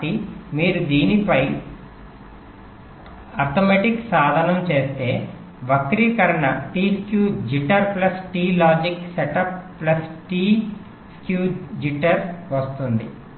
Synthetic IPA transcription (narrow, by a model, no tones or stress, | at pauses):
ʈimiːɾud̪iːnipɐj | ɐɾt̪omeʈiksaːd̪ʱɐnɐmt͡ʃe̞ːst̪e̞ː | ʋɐkɾiːkɐɾɐɳɐʈiːskjuːd͡ʒiʈɐɾplɐsʈiːlaːd͡ʒiksɛʈɐpːlɐsʈiː | skjuːd͡ʒiʈɐɾʋɐst̪und̪ḭ